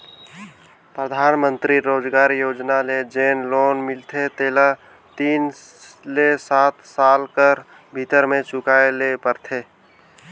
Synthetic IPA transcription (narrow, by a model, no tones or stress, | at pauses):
pɾəd̪ʱaːnmə̃nt̪ɾiɾoːd͡ʒɡaːɾjoːd͡ʒnaled͡ʒeːnloːnmɪlt̪ʰet̪eːla | t̪iːn | lesaːt̪saːlkəɾ | bʱit̪əɾmẽt͡ʃʊkaːelepəɾt̪ʰeː